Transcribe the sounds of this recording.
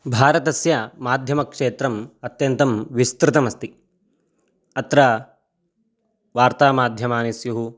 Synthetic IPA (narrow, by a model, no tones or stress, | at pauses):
bʱaːɾɐt̪ɐsjɐmaːd̪ʱjɐmɐkʂeːt̪ɾɐmɐt̪jɐnt̪ɐmʋist̪ɾɪt̪ɐmɐst̪i | ɐt̪ɾɐ | ʋaːɾt̪aːmaːd̪ʱjɐmaːnisjuɦu